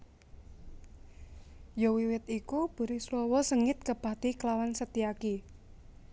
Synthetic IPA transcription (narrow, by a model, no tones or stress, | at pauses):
jɔwiwɪt̪ikub̥ṳɾislɔwɔsəŋɪt̪̚kəb̥a̤t̪iklawansət̪iaki